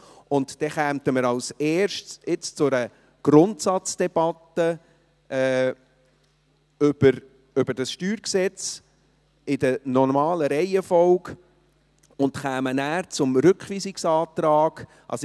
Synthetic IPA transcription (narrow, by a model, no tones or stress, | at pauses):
ʊntd̥ɛχæːmtəməɾɑʊsɛːɾʃtɪt͡st͡sʊɾə | ɡ̥ɾʊntsɑt͡sd̥ɛb̥ɑtːə | ɛː | ʏb̥əɾ | ʏbəɾd̥ɑsʃtyːɾksɛt͡s | ɪdənɔɾmɑːləɾɛɪəfɔwɡ | ʊntχæːmənæːɾt͡sʊmɾʏkχʋiːsɪksɑːt̪ɾɑːɡ̥ | ʔɑ̰s